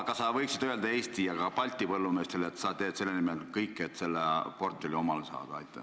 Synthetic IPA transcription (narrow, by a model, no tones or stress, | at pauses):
kɑsɑvɤjksid̪øld̪ɑe̞ːst̪ijɑkɑpɑlʲt̪ʲːˑipɤlːume̞ːst̪e̞let̪ːsɑːeːd̪̥se̞lːenimelkɤjkːeet̪se̞lːepo̞rt̪ːelʲio̞mɑlesɑ̰ːd̪̥ɑɑ̰jt̪ːˑe